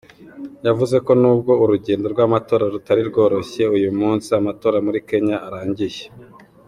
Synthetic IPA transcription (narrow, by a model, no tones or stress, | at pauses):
javuze̞ko̞nuːbɡo̞uɾuɟe̞ːndo̞ɾɡwaːmato̞ːɾaɾutaɾiɾɡo̞ːɾo̞çe̞ujumuːnsiamato̞ːɾamuɾike̞ɲaʔːɾaːɲɟiʒe